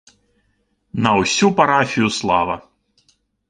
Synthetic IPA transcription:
nɐwsʲupaɾafʲijuslˠa̰vɐ̰

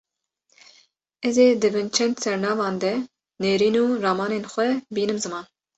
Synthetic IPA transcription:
ɛzeːd̪ɨbɨnt͡ʃʰɛnd̪sɛɾnɑːvɑːnd̪ɛ | neːɾiːnuːɾɑːmɑːneːnxʷɛbiːnɨmzɨmɑːn

